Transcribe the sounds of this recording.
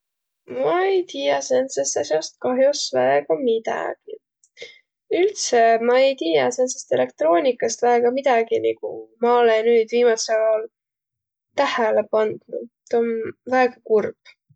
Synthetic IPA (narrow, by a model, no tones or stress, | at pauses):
mɑejt̪iːjɑsensest̪ɑsjost̪̚kɑɦjosvæeɡɑmid̪̥ɑ̰ɡ̥i | ylt̪semɑejt̪iːjɑsensest̪e̞le̞k̚t̪ro̞ːnʲikːˑɑst̪væeɡ̥ɑmid̪̥ɑɡ̥inikṵmɑolenyːd̪̥viːmɑselɑl | t̪æhælepɑnd̪̥nṵt̪onvæeɡ̥ɑkurb̥